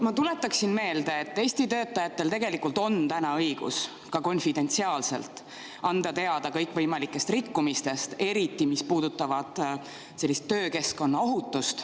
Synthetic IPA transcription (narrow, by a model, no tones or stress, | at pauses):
mɑt̪ule̞t̪ːˑɑksinme̞ːld̪̥eet̪ːe̞ːsʲt̪it̪øːt̪ːˑɑjɑt̪ːe̞lt̪e̞ɡe̞likult̪o̞nt̪ænɑɤjɡ̥ṵs | kɑko̞nfid̪̥e̞nʲt̪siɑːlse̞̰lt̪ˑ | ɑnd̪̥ɑt̪e̞ɑd̪ɑkɤjkːˑvɤjmɑlikːˑe̞st̪rikːumist̪e̞st̪e̞ɾit̪ːˑimispuːd̪̥ut̪ːˑɑvɑd̪̥ | se̞lːist̪ːø̞ːke̞sko̞nːɑo̞ɦut̪ːˑust̪